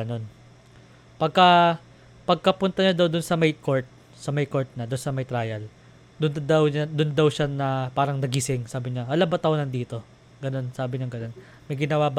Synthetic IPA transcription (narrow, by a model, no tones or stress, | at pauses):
no̞n | pɐɡ̚kɐ | pɐɡ̚kɐpʊnt̪ɐɲɐd̪ɐwd̪ʊnsɐmɐjko̞ɹt̪̚ | sɐmɐjko̞ɹt̪̚nɐd̪ʊnsɐmɐjt̪ɾajɐl | d̪ʊnd̪ɐwd̪ʊnd̪ɐwʃanɐpaːɾɐŋnɐɡisɪŋsaːbɪɲɐʔɐlabɐt̪ɐonɐnd̪iːt̪o̞ | ɡɐno̞nsaːbɪɲɐŋɡɐno̞n | mɐjɡɪnɐwab